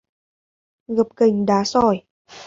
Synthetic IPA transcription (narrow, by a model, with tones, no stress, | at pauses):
ɣə˨˩p̚kə˨˩ŋ̟ɗaː˨˦sɔ˧˩j